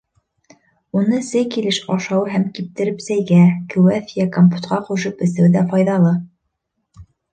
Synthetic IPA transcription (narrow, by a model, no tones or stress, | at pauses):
unɤsɘjkilɘʃɑʃɑwɦæmkip̚t̪ɘ̆ɾɘpsæjɡækɘ̆wæθjækompu̥t̪qɑquʃɤpɘ̆sɘwðæfɑjðɑlˠɤ